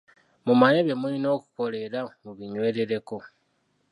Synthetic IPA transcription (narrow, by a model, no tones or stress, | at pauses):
mumaneβe̞mulino̞ːku̥ko̞le̞ɾamuβiɲwe̞ːɾe̞ɾe̞ko̞